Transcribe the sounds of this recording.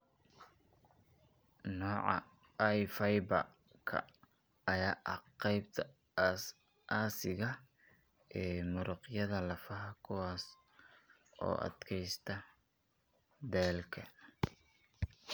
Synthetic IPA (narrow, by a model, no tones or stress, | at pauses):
nɔːʕɑ̰ | ɐjfɐjbɐ̰ | kʰɐ̰ | ɐjaːʔɐqɛjbt̪ʰɐ | ʔaːsɪɣɐ | ʔɛːmʊɾʊqjɐðɐlɐfɐɦɐkʰʊwɑːs | ʔɔ̰ːʔɐ̰d̪kʰɛjst̪ʰɐ | d̪ɛːlkʰɐ